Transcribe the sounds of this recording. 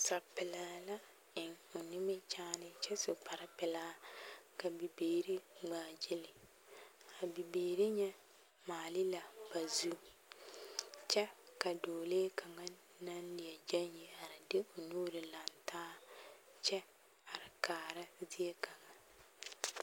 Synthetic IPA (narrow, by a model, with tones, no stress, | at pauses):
sa˨pɪ˨la˨˦la˦ | ɪ˨ŋo˨nɪ˦mɪ˦t͡ʃaː˦nɪ˦t͡ʃɛ˦sʊ˨k͡pa˨ɾɪ˦pɪ˨laː˦ka˨bi˨beː˨ɾi˦ŋ͡maː˨d͡ʒɪ˦lɪ˨ | a˨bi˨beː˨ɾi˦ɲɛ˦ | maː˨lɪ˦la˨b̥a˨zu˦ | t͡ʃɛ˦ka˨doː˨leː˦kʰa˨ŋa˦ | na˦nlɪ˨a˨d͡ʒa˦ɲji˨a˨ɾɪ˨dɪ˦o˨nuː˦ɾɪ˨la˨ntaː˦ | t͡ʃɛ˦ | a˨ɾɪ˨kaː˨ɾa˦zi˦e˦ka˨ŋa˨